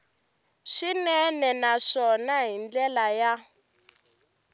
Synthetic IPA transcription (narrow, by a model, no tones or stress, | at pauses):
ʂinɛnɛnaʂɔnaɦind͡ɮɛlaja